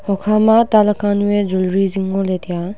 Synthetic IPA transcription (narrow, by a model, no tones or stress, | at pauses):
hɔkʰamat̪aləkʰãnujɛd͡ʒulɹizɪ̃ŋɡolɛt̪ja